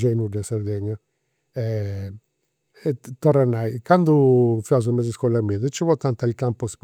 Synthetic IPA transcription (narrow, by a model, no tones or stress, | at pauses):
d͡ʒejnudasaɾd̪eɲːa | ɛ | ɛt̪ɔranːajkand̪ufiazumɛziskɔlamiad̪ɛt͡ʃːɛvɔt̪ant̪ailkampɔsp